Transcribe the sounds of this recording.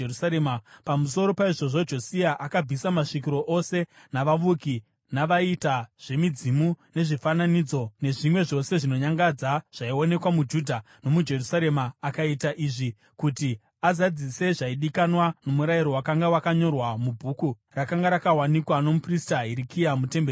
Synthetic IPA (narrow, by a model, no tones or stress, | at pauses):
usaɾemapamus̬o̞ɾo̞paiʐo̞ʐo̞d͡ʒo̞siaʔakab͡vʱisamaʂikiɾo̞ʔose̞ | naʋaʋuki | naʋaitaʐ̥e̞mid͡zimune̞ʐifananid͡zo̞ne̞ʐimwe̞ʐo̞se̞ʐino̞ɲaŋɡad͡zaʐ̥aio̞ne̞kwamud͡ʒudʱa | no̞mud͡ʒe̞rusaɾe̞maːkaitaʔiːʐi | kuti | azad͡zise̞ʐaiɗikanwano̞muɾaiɾo̞wakaŋɡawakaɲo̞rwamubʱuːku | rakaŋɡaɾakawanikwano̞mupristaɦiɾikijamute̞mbe